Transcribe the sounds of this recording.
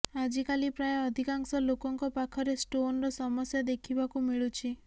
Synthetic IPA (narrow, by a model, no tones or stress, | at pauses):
ad͡ʒikalipɾajɔɔd̪ʱikaŋsɔlokɔŋkɔpakʰɔɾesʈonɾɔsɔmɔsjad̪ekʰibakumiɭut͡ʃʰi